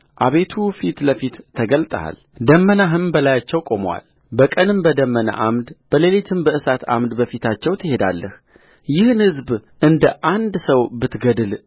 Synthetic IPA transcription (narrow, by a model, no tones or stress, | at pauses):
ʔaβe̞t̪ʰufit̪ləfit̪ʰːəɡəlt̪ʼə̰a̰l | d̪əmːənaɦɨmbəlajat͡ʃːɛwkʼo̞məwa̰l | bəkʼənɨmbəd̪əmːənə̰ʔamd̪b̥əlelet̪ʰɨmbəʔɨsat̪ʰa̰md̪bəfit̪ʰat͡ʃːɛwt̪ʰɨhe̞d̪a̰lːəh | jɪhɨnhɨzbʔɨnd̪əʔand̪səwbɨt̪ɡəd̪ɨl